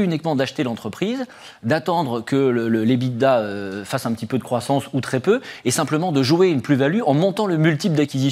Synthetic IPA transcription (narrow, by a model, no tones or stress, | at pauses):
ynikmɑ̃d̪aʃt̪elɑ̃t̪χəpχiz | d̪at̪ɑ̃d̪ʁəkələləlebit̪d̪aøfasɛ̃pət̪ipød̪əkχwasɑ̃sut̪χɛpøesɛ̃pləmɑ̃d̪əʒueynplyvalyʔɑ̃mɔ̃t̪ɑ̃ləmylt̪ipld̪akʲizis